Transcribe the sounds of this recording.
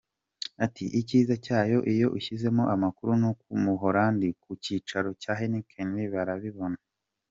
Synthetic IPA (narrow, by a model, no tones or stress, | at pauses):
atiʔiciːzacaːjo̞ʔijo̞ʔiçize̞moʔamakuɾunokumuɦoɾaːndikuciːt͡ʃaɾo̞caːɦenikʰenɾiβaɾaβiβo̞na